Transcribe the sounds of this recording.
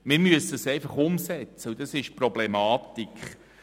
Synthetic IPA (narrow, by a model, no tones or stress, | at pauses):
mɪɾmyəsəsɛjfɑχʊmsɛt͡səud̥̪ɑsɪʃprɔblɛmɑːtikχ